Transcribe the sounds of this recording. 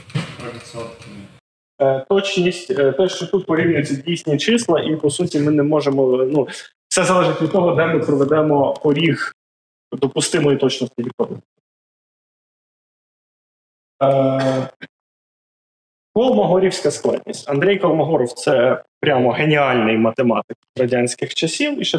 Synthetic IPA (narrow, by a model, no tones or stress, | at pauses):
t̪ɔt͡ʃnʲisʲtʲt̪ɛʃt͡ʃɔt̪ut̪̚pɔɾʲiwnʲʊjʊt͡sʲːɐdʲijsʲnʲit͡ʃɪslˠɐʔipɔsutʲimɪnɛmɔʒemɔnu̥ | sɛzɐlˠɛʒɪtʲʋʲid̪t̪ɔɦɔd̪ɛmɪpɾɔʋed̪ɛmɔpɔɾʲix | d̪ɔpʊst̪ɪmɔit̪ɔt͡ʃnɔt̪ɐ̥kʲiikɔd̪ɪt̪ | kɔlˠmɔɦɔɾʲiwsʲkɐsklˠɛ̰d̪ʲnʲḭsʲtʲɐnd̪ɾʲɛjkɔlˠmɔɦɔɾɔwt̪sɛpɾʲamɔɦe̞nʲiɑlʲnɪjmɐt̪emɑ̰t̪ɪk̚rɐdʲanʲsʲkɪxt͡ʃɐsʲiwiʃɛ